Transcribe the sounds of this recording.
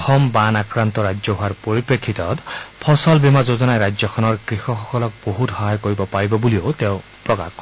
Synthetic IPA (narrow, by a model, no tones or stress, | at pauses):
xʰɔmbanakɹant̪ɔɹajd͡ʒzɔɦuaɹpoɹipɹekʰːit̪ɔtpʰɔsɔlbimazozɔnajɾajd͡ʒzɔkʰɔnɔɹɡɹixɔxɔkɔlɔk̚boɦuthɔɦajkoɹibɔpaɹibɔbulioteʊ | pɹɔka̰k